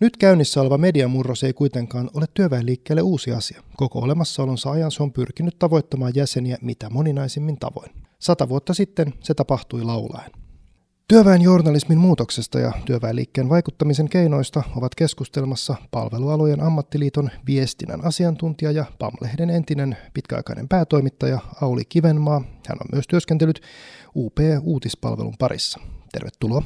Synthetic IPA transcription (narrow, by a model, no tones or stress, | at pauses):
nyt̪kæynːisːæo̞le̞ʋɑme̞diɑmːurːo̞se̞jkujt̪e̞ŋkɑːno̞let̪ːyøʋæelːiːkːeːlːeuːsiɑ̰siɑko̞ko̞̰ole̞mɑsːɑo̞lonsɑɑjɑnseompyrkinyt̪t̪ɑʋo̞jt̪ːɑmɑːjæse̞niæmit̪æmo̞ninɑjsemːint̪ɑ̰ʋo̞̰jn | sɑt̪ɑʋuot̪ːɑsit̪ːense̞t̪ɑpɑht̪ujlɑwlɑ̰en | t̪yøʋæenjo̞rnɑlismimmuːt̪o̞kse̞st̪ɑ̰jɑ̰t̪yøʋæelːḭːkːeːnʋɑjkut̪ːɑmis̬e̞ŋkejno̞jst̪ɑo̞ʋɑt̪ke̞skust̪elmɑsːɑpɑ̰lʋe̞luɑlojenʔɑmːɑt̪ːiliːt̪o̞nʋie̞st̪inæ̰nɑsiɑnt̪unt̪iɑjɑpɑ̰mːlʔehdene̞nt̪ine̞npit̪kæɑ̰jkɑ̰inʔempæːt̪o̞jmit̪ːɑjɑɑwlḭkiʋenmɑːhæ̰nomyøst̪yøskent̪elːyt̪uːpeːuːt̪ispɑ̰lʋelṵmpɑɾḭsːɑ̥t̪e̞rʋet̪ːuloː